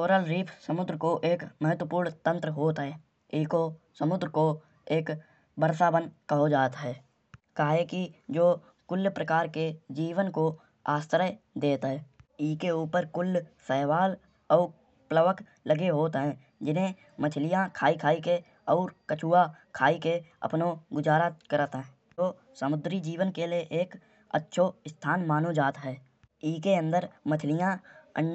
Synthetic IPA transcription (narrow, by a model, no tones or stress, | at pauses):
koːɾəlɾiːpʰsəmʊd̪ɾəkoʔeːkməɦət̪wəpuːɾɳt̪ə̃nt̪ɾəɦoːt̪ɦɛː | ɪko | səmʊd̪ɾəko | eːk | bəɾsaːbənkəɦod͡ʒaːt̪ɦɛː | kaːɦekid͡ʒoː | kʊlːjpɾəkaːɾked͡ʒiːʋənko | aːst̪ɾəj | d̪eːt̪ɦɛːikeuːpəɾkʊlːsɛːʋaːl | ɔː | pləʋək | ləɡeɦoːt̪ɦɛ̃ː | d͡ʒɪnɦẽ | mət̪ʰlɪjãkʰaːikʰaːike | ɔːɾkət͡ʃuːakʰaːikeə̰pnoɡʊd͡ʒaːɾakəɾət̪ɦɛ̃ː | oː | səmʊd̪ɾid͡ʒiːʋənkelieʔeːk | ə̰tːʃʰoɪst̪ʰaːnmaːnod͡ʒaːt̪ɦɛː | iːkeə̃nd̪əɾmət̪ʰɪlɪjãə̰n